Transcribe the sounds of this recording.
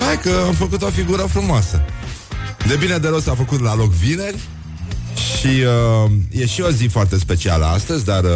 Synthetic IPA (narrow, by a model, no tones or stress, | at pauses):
hajkəamfəkut̪o̞fiɡuɾəfɾumoasə | d̪e̞bined̪eɾosafəkut̪lalo̞kvine̞rʲ | ʃiəje̞ʃio̞zifoart̪e̞spe̞t͡ʃia̰ləa̰st̪əzʲd̪ar